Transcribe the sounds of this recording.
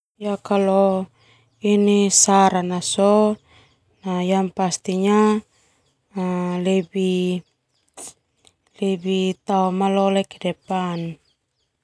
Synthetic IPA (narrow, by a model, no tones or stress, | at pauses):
jakalɔ | inisaɾanasɔ | najanpast̪iɲa | lɛbi | lɛbit̪aɔmalɔlɛkɛdɛpan